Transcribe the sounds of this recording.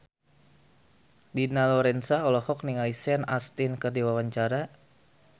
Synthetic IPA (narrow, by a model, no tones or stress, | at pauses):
binalɔɾɛnsaɔlɔhɔk̚niŋalisɛnast̪inkərdiwawaɲt͡ʃaɾa